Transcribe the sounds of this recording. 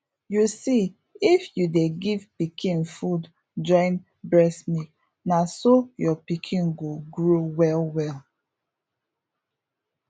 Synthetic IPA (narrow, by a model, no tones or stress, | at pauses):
jusi | ifjudeɡivpikʰĩnfud | d͡ʒɔ̃ɪ̃n | bɹɛsmi | nasojɔpikʰĩnɡoɡɹowɛlwɛl